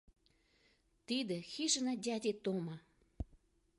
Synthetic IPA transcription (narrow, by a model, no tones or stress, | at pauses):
t̪id̪əɕʰiʂənaɦd͡ʑat͡ɕet̪oŋma